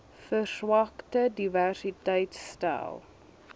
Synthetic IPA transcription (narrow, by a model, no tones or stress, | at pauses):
fərswɑktədiværsitɛjtstæ̰lˠ